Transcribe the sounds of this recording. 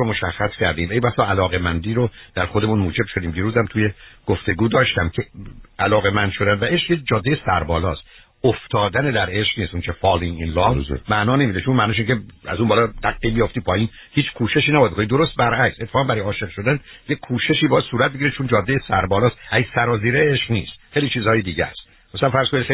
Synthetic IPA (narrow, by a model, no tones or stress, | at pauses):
omo̞ʃæxːæscʰæɾd̪ḭːmejbæsɒːælɒːɣemænd̪iːɾod̪̥æɾxod̪e̞munmuːd͡ʒe̞b̥ʃod̪iːmd̪iːɾuːzæmt̪ʰujeɡ̥oft̪e̞ɡuːd̪ɒːʃt̪æmcʰeælɒːɣemænd̪ʃod̪ænd̪væʔeʃjed͡ʒɒːd̪ːejesæɾbɒːlɒːst̪ | oft̪ʰɒːd̪æned̪æɾeʃkniːst̪unt͡ʃʰefɒːliŋinlɒːmæʔnɒːnemiːd̪et͡ʃʰunmænɒːʃiːŋcʰeæ̰zunbɒːlɒd̪æɡːiːbijoft̪iːpʰɒːjiːn | hiːt͡ʃkʰuːʃe̞ʃiːnæbɒːd̪bkonid̪oɾost̪̚bæɾʔækset̪ːe̥fɑːʁæmbæɾɒjɒːʃe̞ʁʃo̞d̪ænjekʰuːʃe̞ʃiːbɒːjæd̪suːɾæt̪̚beɟiɾet͡ʃʰond͡ʒɒːd̪ːejesæɾbɒːlɒːst̪ʔæɡisæɾɒːziːɾeeʃqniːst̪xejliːt͡ʃʰiːzhɒːjed̪iːɟæ̰st̪ | mæsælænfæɾz̥kʰonixe